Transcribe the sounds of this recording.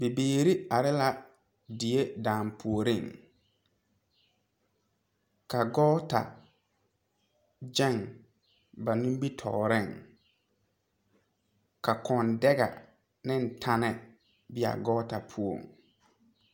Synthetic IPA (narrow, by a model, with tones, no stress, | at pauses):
be˨beː˨ɾi˦a˨ɾɪ˦la˦ | dɪ˨e˦dãː˨mpʰu˨o˨ɾɪ˦˨ŋ | ka˨ɡɔː˦ta̰˨ | d͡ʒɛ˦˨ŋ | ba˨nĩ˦m˦bi˦tʰɔ̰ː˨ɾɪ˦˨ŋ | ka˨kɔ˨ndɛ˦ɡa̰˨ | nɪ˦n̩˨tʰa˦nɛ˦ | bɪ˦a̰˨ɡɔː˦ta˨pʰu˦o̰˨ŋ